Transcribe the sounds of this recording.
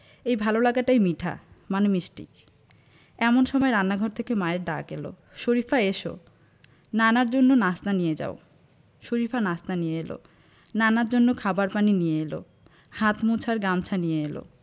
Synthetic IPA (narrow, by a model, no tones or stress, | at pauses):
ejbʱalolaɡaʈajmiʈʰa̰manemisʈḭ | ɛmonʃɔmɔeɾanːaɡʱɔɾt̪ʰekemaeɾɖa̰kelo̰ | ʃoɾifʰaeʃo̰ | nanaɾd͡ʑonːonast̪anijed͡ʑa̰o | ʃoɾifanast̪anijeelo̰ | nanaɾd͡ʑonːokʰabaɾpaninijeelo̰ | hat̪mut͡ɕʰaɾɡamt͡ɕʰanijeelo̰